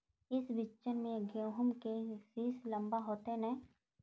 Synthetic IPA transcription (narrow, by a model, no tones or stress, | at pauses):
ɪsbɪt͡ʃənmẽɡjoːɦʊmkesiːslə̃mbaɦoːt̪enɛ̃